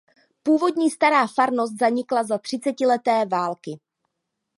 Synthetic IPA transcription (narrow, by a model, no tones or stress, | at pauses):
puːvo̞dɲiːst̪aɾaːfaɾno̞st̪̚zaɲɪklazat̪r̝̥ɪt͡sɛcɪlɛt̪ɛːvaːlkɪ